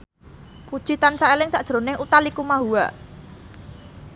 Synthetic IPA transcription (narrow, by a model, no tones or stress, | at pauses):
pud̥ʒ̥i̤t̪ansaelɪŋsaʔd̥ʒ̥ɾo̤nɪŋut̪alikumaɦua̰